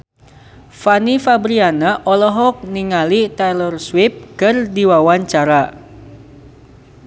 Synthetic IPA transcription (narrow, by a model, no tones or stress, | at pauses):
fanifabɾianaʔɔlɔɦɔk̚niŋalit̪ɛlɔrswɪp̚kɨrdiwawaɲt͡ʃaɾa